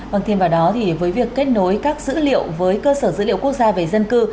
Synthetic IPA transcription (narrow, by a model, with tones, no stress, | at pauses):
və˧˩ŋt̪ʰe˧mvaː˨˩wɗɔ˨˦t̪ʰi˨˩vəː˨˦jvi˨˩əkːe˦˥t̚no˨˦jkaː˦˥k̚zɨ̰˧˥lḭ˧˨əwvəː˨˦jkəː˧səː˧˩zɨ̰˧˥lḭ˧˨wku˦˥ək̚zaː˧ve˨˩zə˧nkɨ˧